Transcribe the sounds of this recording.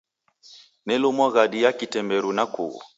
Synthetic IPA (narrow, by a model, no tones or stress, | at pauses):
nɛlomɔɣaɗijakitɛmbɛɾunakṵɣɔ̰